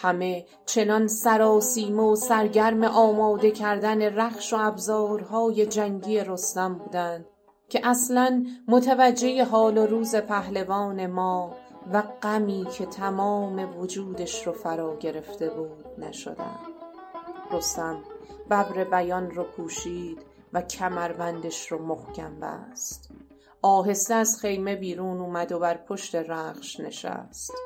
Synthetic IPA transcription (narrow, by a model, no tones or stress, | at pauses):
hæme̞ | t͡ʃʰe̞nɒnsæɾɒːsiːmosæɾɟæɾme̞ʔɒːmɒːd̪e̞cʰæɾd̪æne̞ræχʃo̞æbzɒːɾɦɒːje̞d͡ʒæŋɟie̞ɾo̞st̪æmbuːd̪ænd̪̥ | cʲʰe̞ʔæslænmot̪ʰævæd͡ʒːe̞je̞ɦɒːloɾuːze̞pʰæhlevɒːne̞mɒːvæɡæmiːcʰe̞t̪ʰæmɒːme̞vod͡ʒuːd̪e̞ʃɾofæɾɒːɟe̞ɾe̞ft̪e̞buːd̪̥̚næʃo̞̰d̪æ̰n | ɡ̥ost̪æm | bæbɾe̞bæjɒnropʰuːʃiːd̪ | væcʰæmæɾvænd̪eʃɾɔmohcʰæmbæ̰st̪ | ʔɒːɦe̞seæzχe̞jme̞biːɾuːnuːmæd̪o̞bæɾpʰo̞ʃt̪e̞ɾæːχʃne̞̰ʃæ̰st̪